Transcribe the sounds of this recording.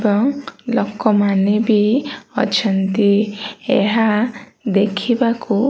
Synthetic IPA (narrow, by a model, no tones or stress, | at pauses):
bɔŋlɔkɔmanebiɔ̰t͡ʃʰɔnt̪iḛɦa | d̪ekʰibaku